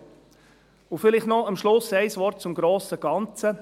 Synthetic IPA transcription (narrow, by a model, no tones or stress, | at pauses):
ʊfɪlɪχtnɔɑmʃlʊsɛɪsʋɔrt̚t͡sʊmɡɾoːsəɡ̥ɑnt͡sə